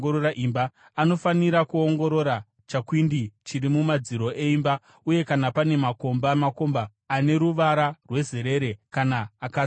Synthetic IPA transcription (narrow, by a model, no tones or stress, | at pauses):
oɾoɾaʔimbaː | no̞faniɾakuo̞ŋɡo̞ɾo̞ɾa | t͡ʃakwindit͡ʃiɾimumad͡ziɾo̞ʔe̞imba | uje̞kanapane̞mako̞mbamako̞mbaː | ne̞ɾuʋaɾarwe̞ze̞ɾe̞ɾe̞kanaːka